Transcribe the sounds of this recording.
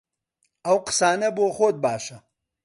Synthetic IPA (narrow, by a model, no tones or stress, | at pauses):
ɐwqsaːnɐboːxoːd̪̚baːʂɐ